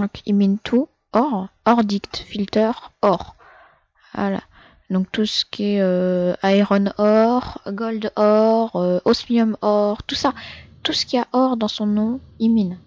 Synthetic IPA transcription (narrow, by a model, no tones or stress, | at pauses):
ɔ̃kʰimint̪ʰu | ɔʁɔʁd̪ikt̪filt̪œʁɔʁ | va̰la̰ | d̪ɔ̃k̚t̪usə̥kʲʰiɛøaeʁɔnɔʁɡɔld̪ɔʁøosmiɔmɔʁt̪usat̪usə̥kʲiaʔɔʁd̪ɑ̃sɔ̃nɔ̃imin